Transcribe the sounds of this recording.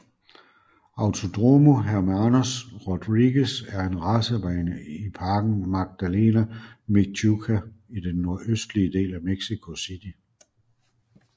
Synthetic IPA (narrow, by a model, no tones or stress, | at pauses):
ɑ̈ʊt͡sʰo̝d̥ʁomo̝ɦæɐmænosʁɔd̥ʁiɡ̥əsæɐe̝nʁɑsəʋæɪnəipʰɑ̈ːɡ̥n̩mɑ̈ɡ̥̚d̥æle̝̰ːnæmeɡ̥̚t͡sʰukʰæid̥enːo̝ɐ̰ʔøsd̥liəd̥e̝̰ːlæmeɡ̥sikʰo̝sid̥i